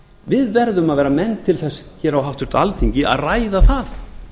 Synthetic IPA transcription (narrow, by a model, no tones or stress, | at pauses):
vɪðvɛɾðʏmaðvɛːɾamɛnt̪ʰːɪlθɛsçɛɾawɦawht̪ʏɾ̥t̪alθiɲcɪʔa̰ðraːjðaθaθ